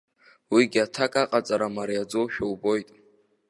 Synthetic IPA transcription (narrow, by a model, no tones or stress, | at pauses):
wiɡʲatʰakʼaqʼat͡sʼaɾamaɾijad͡zoʃᶣawbo̞jtʼ